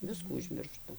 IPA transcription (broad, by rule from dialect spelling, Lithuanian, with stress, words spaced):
ˈʋʲɪskuː ʊʒʲmʲɪrˈʃtʊ